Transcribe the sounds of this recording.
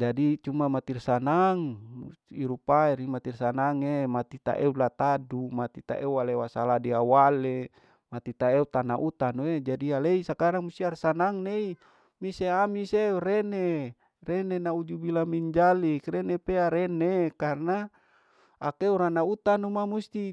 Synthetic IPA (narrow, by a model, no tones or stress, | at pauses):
d͡ʒadit͡ʃumamat̪irsanaŋuiɾupaeɾimat̪irsanaŋemat̪it̪a̰ʔeulat̪adumat̪it̪a̰ʔeualewasaladiawale | mat̪it̪aeut̪anaʔut̪anoed͡ʒadialeisakaɾaŋmust̪iarsanaŋnei | miseamiseɾene | renenaud͡ʒubilamiɲd͡ʒalikrenepeaɾenekarna | akeuɾanaut̪anumamust̪i